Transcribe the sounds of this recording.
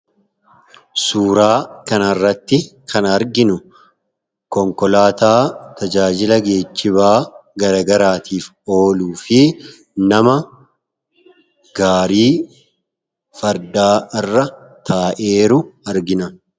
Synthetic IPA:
suːɾaːkɐnɐrːɐt̪ːɪkʰɐnɐɾɡɪnʊ | kɔŋkɔlaːt̪aːt̪ɐd͡ʒaːd͡ʒɪlɐɡe̞ːt͡ʃːɪβaːɡɐɾɐɡɐɾaːt̪ʰiːf | o̞ːluːfɪ | nɐmɐ | ɡ̥aːɾiː | fɐɾd̪aːɪrːɐ | t̪ʰaːʔe̞ːɾʊɐɾɡɪnɐ

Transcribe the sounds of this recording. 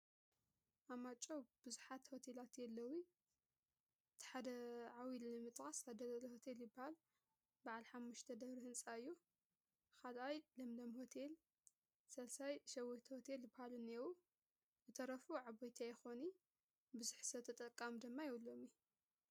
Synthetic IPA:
ʔamat͡ʃʼob̥ɨzuħat̪ho̞t̪ʰe̞lat̪jɛlːɐwi | t̪ʰħad̪ɐʕawilnɨmɨt̪ʼxʼasad̪ɐlɐlɐho̞t̪ʰe̞ljɪbahal | baʕalħamːuʃt̪ʰɐd̪ɐβɾihɨnt͡sʼaɨjːu | kalʔajlɐmlɐmho̞t̪ʰe̞l | sɐlsajʃɐwojt̪ʰhot̪ʰeljɨbːahalɨnːewu | zɨt̪ʰɐɾɐfuʕaβojt̪ʰiajɪxoni | bɨzuħsɐt̪ʰɐt̪ʼɐkʼːamd̪ɨmːajɛwulːo̞mi

